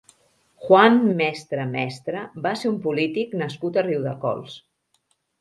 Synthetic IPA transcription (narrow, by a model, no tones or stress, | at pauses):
xwanmɛst̪ɾəmɛst̪ɾəbaseumpulit̪iknəskut̪əriwðə̰kɔ̰lˠs